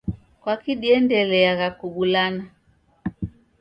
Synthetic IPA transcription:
kwakiɗiɛndɛlɛaɣakuɓulana

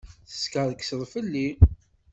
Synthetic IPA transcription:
θə̥skəðksəðˤfəlːi

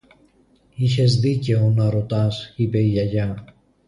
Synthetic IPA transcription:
içe̞zðice̞onɐɾo̞t̪ɐsipe̞iʝɐʝɐ

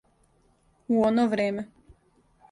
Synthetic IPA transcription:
uonoʋɾeːme

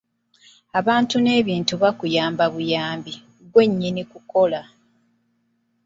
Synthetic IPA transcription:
aβaːntune̞ːβiːntuβakujaːmbaβujaːmbi | ɡwe̞ɲːinikuko̞la

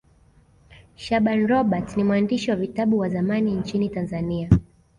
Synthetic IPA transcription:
ʃaɓanɾɔɓatnimwandiʃiwavitaɓuwazamaniɲt͡ʃinitanzania

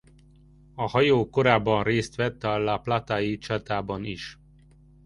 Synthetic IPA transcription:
ɒhɒjoːko̞ɾaːbːɒnreːst̪ʋɛt̪ːɒlːaːplat̪aːjit͡ʃat̪aːbɒnḭʃ

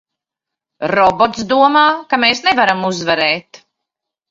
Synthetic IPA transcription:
ɾɔbɔt̪sd̪uɔmaːkameːsnɛvaɾamuzvɛɾɛːt̪

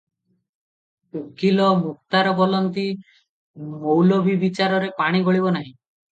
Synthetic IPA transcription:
ukilɔmuk̚t̪aɾɔbɔlɔnt̪i | mowlɔbʱibit͡ʃaɾɔɾepaɽ̃iɡɔɭibɔnaɦĩ

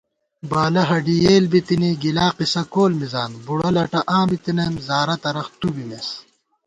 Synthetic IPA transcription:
baːlɐɦɐɖijeːlbit̪iniɡilaːqisɐkoːlmizaːnbuɽɐlɐʈɐʔãːbit̪inɐjmzaːɾɐt̪ɐɾɐxt̪ubimes

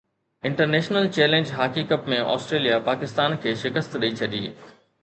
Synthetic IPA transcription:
ɪ̃ɳʈəɾneːʃnəlt͡ɕɛːlẽːɲd͡ʑɦaːkiːkəʈmẽʔɔ̰ːsʈɾeːlijapaːkɪst̪aːnkʰeːʃɪkəst̪ɗɐit͡ɕʰɐɗḭː

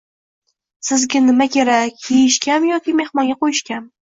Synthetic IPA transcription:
sɪzɡʲanɪmakʲe̞ɾakʲjejɪʃkʲanjɒkʲɪme̞hmɒnɡʲaqʰojɪʃkʲan

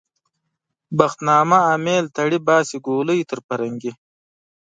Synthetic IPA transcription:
baxt̪nɑːmaːmeːlt̪ʰɐɽibɑːsiɡoːləjt̪əɾpɐɾɐŋɡi

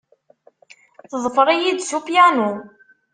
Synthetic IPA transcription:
θðˤfəɾˤijid̪supjænu

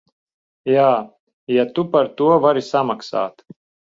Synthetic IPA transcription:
jaː | jat̪upaɾt̪uɔvaɾisamaksa̰ːt̪

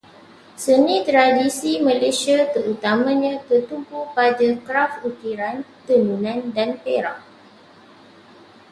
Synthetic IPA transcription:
sənĩt̪ɾadisimãlesiat̪əɾut̪amãɲãkət̪umpupadakɾafut̪iɾant̪ənunãndanpeɾaʔ

